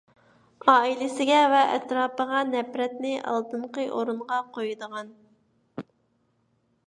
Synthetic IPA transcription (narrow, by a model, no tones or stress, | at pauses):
ɑːilɪsɪɡʲɛvɛʔɛt̪ɾɑːpəʁɑnɛpɾɛt̪nɪʔɑ̰lˠt̪ɨɴqəʔoɾuɴʁɑqʰojɨd̪əʁɑn